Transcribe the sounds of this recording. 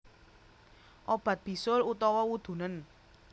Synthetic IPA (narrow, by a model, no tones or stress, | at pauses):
ʔob̥ä̤t̪̚b̥i̤sʊlut̪ɔwɔwud̪̥ṳnən